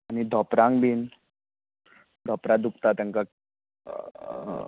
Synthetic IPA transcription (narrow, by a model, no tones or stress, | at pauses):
anid̪ʱɔpɾaŋbin | d̪ʱɔpɾad̪ukt̪at̪aŋka